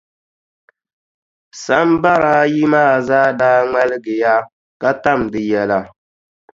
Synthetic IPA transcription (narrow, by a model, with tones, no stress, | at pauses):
sa˦m˦ba˦ɾa˦ji˦maː˦˨zaː˦daː˦ŋɛ˦lɨ˦ɡɨ˨ja˦ | ka˦ta˦˨mdɨ˨jɛ˨la˨